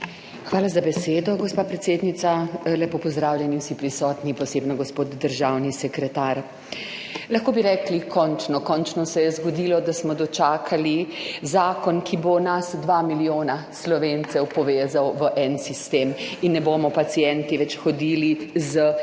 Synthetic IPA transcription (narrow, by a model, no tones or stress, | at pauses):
xʋaːlazabɛseːd̪ɔɡɔspaːpɾɛt̪seːd̪nit̪salɛpopɔzd̪ɾaːwlʲjɛniwsipɾisɔːt̪nipɔseːbnɔɡɔspoːt̪d̪əɾʒawnisɛkɾɛt̪aɾ | laxkoːbiɾɛklikʰɔnt͡ʃnɔkɔnt͡ʃnɔsɛjɛzɡɔd̪ilɔd̪asmɔd̪ɔt͡ʃaːkʰalizaːkɔnkʰibonasd̪ʋamilijoːnaslɔʋent̪sɛwpɔʋeːzawʋəʔɛnsist̪eːminːɛbomɔpat̪sijɛnt̪iʋɛt͡ʃxɔd̪iːlizə